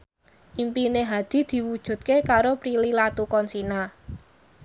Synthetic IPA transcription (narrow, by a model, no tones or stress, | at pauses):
ʔimpineɦḁd̪̥i̤d̪̥i̤wud̥ʒ̥ṳt̪̚kekaɾopɾililat̪ukɔnsina